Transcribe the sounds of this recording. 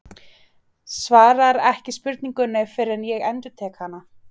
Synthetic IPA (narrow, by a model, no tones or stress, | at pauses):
svaːɾaɾɛhcɪspʏɾt̪niŋkʏnːɪfɪɾɛnjɛɣɛnt̪ʏt̪ʰɛːkhanːa